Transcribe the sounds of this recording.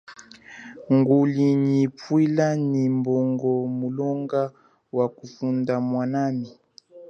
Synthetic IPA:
ŋɡuliɲipwilanimbɔŋɡɔmulɔŋɡa | wakufundamwanani

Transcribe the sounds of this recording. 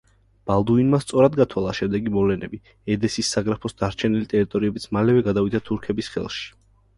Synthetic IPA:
b̥alˠd̪uinmast̪sʼɔɾad̪ɡat̪ʰwalˠaʃɛmd̪ɛɡimɔvlɛnɛbi | ɛd̪ɛsisːaɡɾapʰɔsd̪aɾt͡ʃʰɛnilit̪ʼɛɾit̪ʼɔɾiɛbit̪sʰmalɛvɛɡad̪avid̪ʰat̪ʰuɾkʰɛbisχɛ̰lˠʃi̥

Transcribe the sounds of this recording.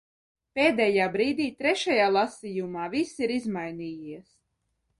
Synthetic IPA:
peːd̪ɛːjaːbɾiːd̪iːt̪ɾɛʃajaːlˠasijumaːvisiɾizmajniːjiɛs

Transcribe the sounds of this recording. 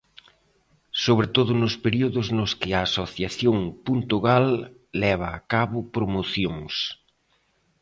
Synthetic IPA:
soβɾet̪oðʊnʊspeɾiuðʊznʊskɪaːsoθjaθjoŋpunt̪uɣalː | ɛβ̞aːkaβʊpɾomoθjoŋs

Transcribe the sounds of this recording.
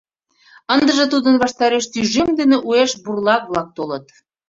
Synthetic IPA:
ə̆nd̪ə̆ʒɤ̆t̪ud̪ə̆nβɑʃt̪ɑɾeʃt̪yʒemd̪enĕʔueʃburlˠɑk̚βlˠɑk̚t̪olɤ̆t̪

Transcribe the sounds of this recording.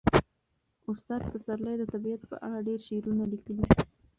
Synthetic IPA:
ʊst̪ɑd̪̚pəsaɾləjd̪ət̪abiat̪pə̰ʔa̰ɽaɖeɾʃeɾunalikəli

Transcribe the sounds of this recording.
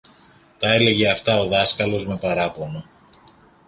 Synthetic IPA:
t̪ɐe̞le̞ʝe̞ɐft̪ɐo̞ðɐskɐlo̞zme̞pɐɾɐpo̞nɐ

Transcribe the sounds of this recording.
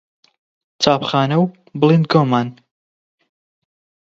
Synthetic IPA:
t͡saːpχaːnɐw | blˠind̪̚ɡoːmaːn

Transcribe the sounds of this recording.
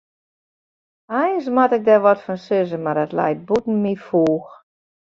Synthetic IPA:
ajnsmatɪk̚dɛʋɔtfɔnsøzəmardɛtlɛ̰jt̚butn̩mifuːx

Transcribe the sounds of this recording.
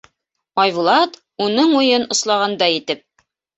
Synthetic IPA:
ɒjβulˠɑt̪ | unɤɴujɤnŏslˠɑʁɑnd̪ɑjit̪ɘp̚

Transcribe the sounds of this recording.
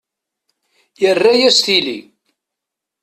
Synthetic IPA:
jərːæjæst̪ili

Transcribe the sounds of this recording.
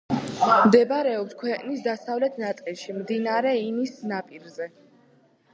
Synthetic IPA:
md̪ɛbaɾɛɔpskʰwɛqʼnisd̪asavlɛt̪ʰnat̪sʼilˠʃimd̪inaɾɛinisnapʼiɾzɛ

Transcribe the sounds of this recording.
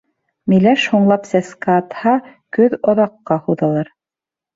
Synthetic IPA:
milæʃhuɴlˠɑpsæskæːt̪hɑkɵðoðɑqːɑhuðɑlˠɑɾ

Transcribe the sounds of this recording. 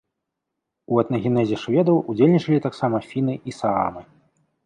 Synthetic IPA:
uɐt̪nɐɣʲinɛzʲɛʂvʲɛd̪ɐwud͡zʲelʲnʲit͡ʂɐlʲit̪aksamɐfʲinɨʔisaa̰mɨ

